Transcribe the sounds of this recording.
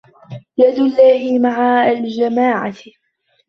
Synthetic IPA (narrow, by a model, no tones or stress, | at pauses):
jad̪lːaːhɪmaʕaald͡ʒamaːʕa